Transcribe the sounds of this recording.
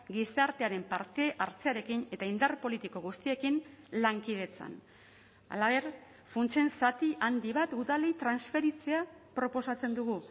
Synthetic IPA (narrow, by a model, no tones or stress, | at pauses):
ɡisaɾt̪e̞aɾe̞mpaɾt̪e̞ʔaɾt͡se̞aɾe̞kine̞t̪aind̪arpo̞lit̪iko̞ɣ̞ust̪ie̞kinlaŋkið̞e̞t͡sa̰n | a̰laβe̞ɾ | funt͡se̞nsat̪iʔand̪iβat̪uðalejt̪ɾansfe̞ɾit͡se̞apɾo̞po̞sat͡se̞nd̪uɣu